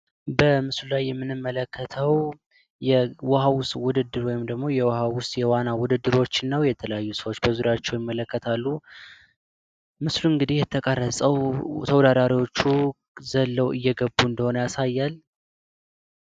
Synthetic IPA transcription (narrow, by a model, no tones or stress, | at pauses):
bəmɨslulajːɛmːɨnɨmːələkʰːət̪ʰəw | jɛwəhawʊswʊd̪ɨd̪ːɨɾwɔjɪmd̪əɡmo̞jɛwhawʊst̪ʼjɛwanawʊd̪ɨd̪ːɨɾwo̞t͡ʃːɪnːəwjɛt̪ʰələjajːusəwot͡ʃːbəzuɾjat͡ʃːɛwjɪmːələkːət̪ʰalːu | mɨsluɨŋɡɨd̪ihjɛt̪ʰəkʼərːəsʼəwt̪ʰəwd̪ad̪aɾiwo̞t͡ʃːu | zəlːəwɨjːɛɡəbːuɨnd̪əho̞nəjasajːal